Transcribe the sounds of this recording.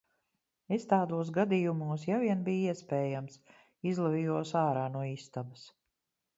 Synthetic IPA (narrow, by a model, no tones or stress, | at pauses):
est̪aːd̪uɔs̬ɡad̪ijumuɔs̬javiɛnbijiɛspɛːjams | izlˠaviːjuɔsaːɾaːnuɔiːst̪abɐs